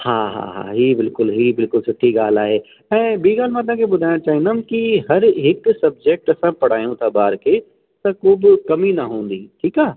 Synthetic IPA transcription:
haːɦa̰ɦa̰ːɦiːbɪlkʊlɦiːbɪlkʊlsɐt̪ʰːiɡaːl̤aːɦe | ɛ̃ːbiːɡaːl̤mãɐt̪̬ãːkʰebʊd̪ʱaːɪɽ̃ãt͡ʃaːɦĩnd̪aːmkiɦɐɾɦɪksɐb̚d͡ʒek̚ʈɐsãpɐɽ̤aːjũt̪ʰabaːɾke | t̪ɐkoːbkɐminɐɦõːn̆d̪iːʈʰiːkaː

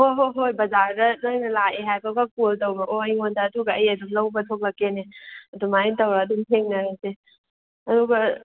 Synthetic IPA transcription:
hoɦoɦojbɐzaɾdɐnojnɐlaeɦajkawɡakoltɐwbɐʔoɐjŋondɐːduɡɐɐjɐduŋlɐwbɐtʰok̚lɐkːeneɐdumaintɐwɾɐːdumheŋnɐɾajse | ɐduɡɐ

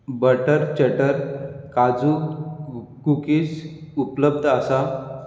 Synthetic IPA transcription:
bəʈəɾt͡ɕəʈəɾkad͡zu | kukisupləb̚d̪ʱasa

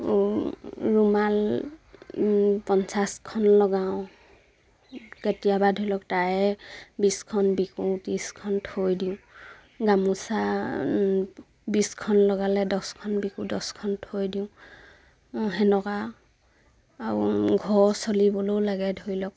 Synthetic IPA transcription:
ɹumal | pɔnsaskʰɔnlɔɡaʊ̃ | ketijabadʱojlɔk̚taɛbiskʰɔnbikũtiskʰɔntʰojdiʊ̃ | ɡamusa | biskʰɔnlɔɡalɛdɔskʰɔnbikũdɔskʰɔntʰojdiʊ̃ | ɦɛnɔka | aɹuɡʱɔɹsolibɔlowlaɡɛdʱojlɔk̚

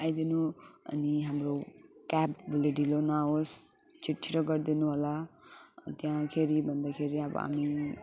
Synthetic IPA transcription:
ajd̪inuʌ̰niɦamɾokapbʱuleɖilonaos | t͡ʃiʈʰːiɾʌɡʌɾd̪inuɦəla | t̪jãkʰeɾibʱʌnd̪akʰeɾiabʌ̰a̰mi

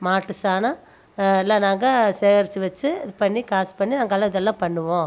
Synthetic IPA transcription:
maːʈːɯsaːna | ɛlːãːnaːŋɡɐseːɾt͡ʃːɯʋɐt͡ʃːɯpɐɳːikaːspɐɳːinaːŋɡɐlːãːɪðɛlːãːpɐɳːɯʋõː

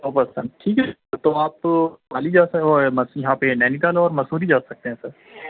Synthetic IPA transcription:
oːpɐsɐ̃nd̪̚ʈʰiːkɦɛ | t̪oaːp̚t̪obaːlid͡ʒaːsoɛmɐsjɐɦãpenɛːnid̪aːlɔːɾmɐsuːɾid͡ʒaːsɐk̚t̪eɦɛ̃sɐɾ

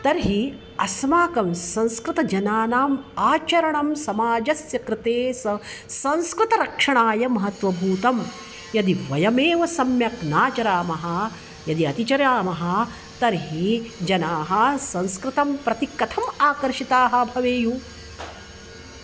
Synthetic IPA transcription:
t̪ɐɾɦi | ɐsmaːkɐmsɐ̃nskɾɨt̪ɐd͡ʒɐnaːnaːmaːt͡ʃɐɾɐɳɐmsɐmaːd͡ʒɐsjɐkɾɪt̪eːsɐsɐ̃nskɾɪt̪ɐɾɐkʂɐɳaːjɐmɐɦɐt̪ʋɐbʱuːt̪ɐm | jɐd̪iʋɐjɐmeːʋɐsɐmjɐknaːt͡ʃɐɾaːmɐɦɐ̆ | jɐd̪iɐt̪it͡ʃɐɾjaːmɐɦɐ̆ | t̪ɐɾɦid͡ʒɐnaːɦɐsɐ̃nskɾɪt̪ɐmpɾɐt̪ikːɐt̪ʰɐmaːkɐɾʃit̪aːɦɐ̆bʱɐʋeːju

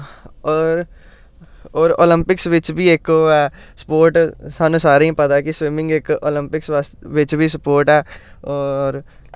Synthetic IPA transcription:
ɔːɾ | ɔːɾo̰ːlɪ̃mpɪksʋɪt͡ʃbʱiekoɛː | sə̥poːɾʈsaːnũːsaːɾeĩpət̪akiswɪmɪ̃ŋɡeːko̰ːlɪ̃mpɪksʋaːsʋɪt͡ʃbʱisəpoːɾʈɛːɔːɾ

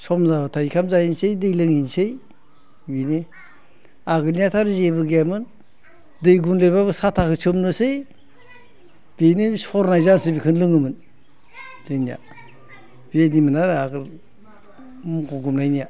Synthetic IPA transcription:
sɔmzabatʰaikʰamzajinsejdɯjlɯŋinsej | bine | aɡɯlniatʰaɾzebɯɡamɯn | dɯjɡunlebabɯsatʰakɯsʰɯmnɯsɯj | b̥enesɔɾnajzasɯbikʰɯnlɯŋɯmɯn | zɯjnija̰ | b̥ienimɯnaɾɯaɡɯl | mkɔɡumnajnija

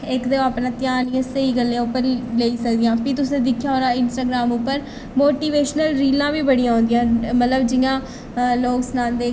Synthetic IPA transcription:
ɪkd̪eaːpnãːt̪jaːlĩãːsəiːɡəlːeãːʊpːəɾleːiːsəkd̪ijãːpit̪ʊsẽːd̪ɪkʰjaːɦoːɾãːɪnsʈaːɡɾaːmʊpːəɾ | moːʈiːʋeːʃnəlɾiːlãːʋiːbəɽijãːɦõːnd̪ɪjãːmət̪ləbd͡ʒɪjãː | loːksnãːnd̪eː

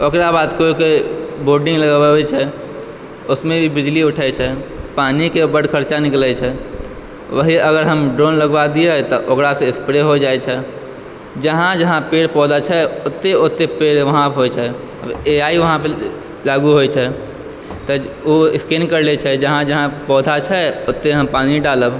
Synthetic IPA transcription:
okɾabaːd̪koikeboɾɖĩŋɡləɡbabɛt͡ʃʰɛ | ʊsmẽbʱibid͡ʒliʊʈʰɛt͡ʃʰɛpaːnikebəɽkʰəɾt͡ʃanɪklɛt͡ʃʰɛ | ʋəɦiəɡəɾɦəmɖɾonləɡbad̪ieɦt̪ɔʔokɾaseekspɾeɦod͡ʒaɛt͡ʃʰɛ | d͡ʒəɦãd͡ʒəɦãpeːɽpɔːd̪at͡ʃʰɛʊt̪ːeot̪ːepeːɽʋɐɦãɦot͡ʃʰɛ | əbeaiʋəɦãpə | laːɡuɦojt͡ʃʰɛ | t̪ɔoɪskenkəɾlet͡ʃʰɛd͡ʒəɦãd͡ʒəɦãpɔːd̪ʱat͡ʃʰɛot̪ːeɦəmpaːniɖaːləb

